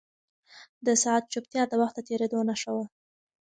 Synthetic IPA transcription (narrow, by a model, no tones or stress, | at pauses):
d̪əsaat̪̚t͡ʃupt̪jɑd̪əwaxt̪̚d̪ət̪eɾed̪onaʃəwa